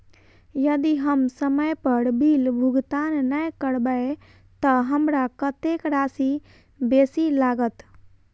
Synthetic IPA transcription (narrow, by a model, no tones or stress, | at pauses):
jəd̪iɦəmsəməjpəɾbilbʱuɡt̪annəjkəɽbəe | t̪əɦəmɾakət̪ekɾasi | besilaɡət̪